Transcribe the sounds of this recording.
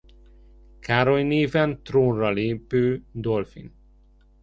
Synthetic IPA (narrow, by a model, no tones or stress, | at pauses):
kʰaːɾojneːvɛnt̪roːnrɒleːpøːd̪olfḭn